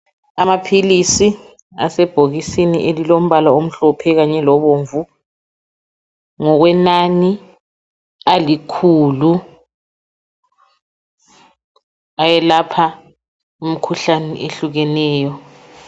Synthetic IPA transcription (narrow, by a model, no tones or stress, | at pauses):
amapʰilisi | a̰sɛb̥ʱoɣisinḭʔelilom̩βalaom̩ɬɔpʰɛɣaɲɛlɔβoːɱvu | ŋɔɣwɛnani | alikʰuːlu | ajɛlapʰa | um̩kʰuɬanɛ̰ʔeɬuɣɛnɛːjɔ